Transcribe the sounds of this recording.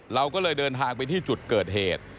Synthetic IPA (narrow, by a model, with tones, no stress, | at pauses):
ɾa˧wkɔː˥˩lɤː˧jdɤː˧nt̪ʰaː˧ŋpa˧jt̪ʰiː˥˩t͡ɕu˨˩t̪̚kɤː˨˩t̪̚ɦeː˨˩t̪̚